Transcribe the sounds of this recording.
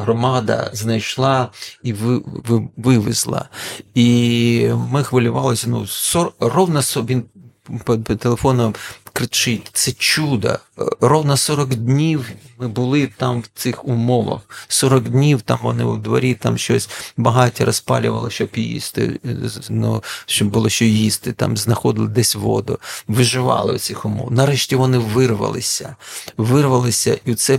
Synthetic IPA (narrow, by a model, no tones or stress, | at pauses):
ɦrɔmɑd̪ɐ̰znɐjʃlˠɑiʋ | ʋɪʋɪ̰zlˠɐ̰i | mɪxʋɐlʲʊʋɑlˠɪsʲɐnusɔrɔwnɐsɔʋʲin | pt̪elˠefɔnɐmkɾɪt͡ʃɪtʲt̪sɛt͡ʃud̪ɐ̰rɔwnɐsɔɾɔɡdʲnʲiwmɪbʊlˠɪt̪ɑmwt̪sɪxʊmɔʋɐ̰xsɔɾɔɡdʲnʲiwt̪ɑmʋɔnɪwd̪ʋɐ̰ɾʲit̪ɑmʃt͡ʃɔsʲbɐɦɑtʲiɾɐspɑ̰lʲʊʋɐ̰lˠɪʃt͡ʃɔbjḭst̪ɪ̰nɔʃɔbːʊlˠɔʃt͡ʃɔjist̪ɪt̪ɑ̰mznɐxɔd̪ɪlˠɪd̪ɛsʲʋɔ̰d̪ʊ̰ʋɪʒɪʋɑ̰lˠɪ̰wt̪sɪxʊmɔ̰wnɐɾɛʃʲtʲiʋɔnɪʋɪrʋɐ̰lˠɪ̰sʲɐʋɪrʋɐlˠɪsʲɐʔiʊt̪sɛ